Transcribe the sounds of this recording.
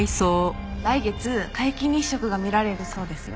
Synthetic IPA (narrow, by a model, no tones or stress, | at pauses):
isoː | daiɡe̞t͡sɨkaikʲiɲ̟ʲĩɕːo̞kɯ̟ɡamʲiɾaɾe̞ɾɯ̟so̞ːd̪e̞sɨjo̰